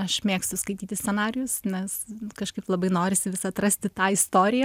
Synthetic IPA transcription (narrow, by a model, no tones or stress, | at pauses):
ɐʃmʲeːkst̪ʲʊskɐɪt̪ʲiːt̪ʲɪsʲsʲɛnɑːɾʲɪjʊsnʲɛskɐʃkɐɪplˠɐbɐɪnoːɾʲɪsʲɪʋʲɪsɐt̪rɐsʲt̪ʲɪt̪ɑːɪst̪oːɾʲɪjɛ